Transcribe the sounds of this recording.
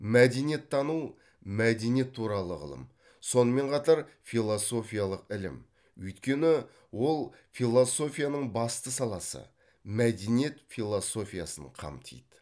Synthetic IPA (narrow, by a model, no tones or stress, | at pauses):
mæd̪e̞nije̞t̪ʰːɑnu | mæd̪e̞nije̞t̪ʰːuɾɑlˠəʁə̰lˠə̰m | so̞nəme̞ɴqʰɑt̪ɑɾfilˠoso̞fʲijalˠəqɪlɪ̰m | ʏjt̪kʲe̞nɪ | wo̞lˠ | filˠo̞so̞fʲijanəɴbɑst̪əsɑlˠɑsə̰ | mæd̪enije̞t̪fʲilˠo̞so̞fʲija̰sə̰ɴqʰɑ̰mt̪ʰḭjd̪ə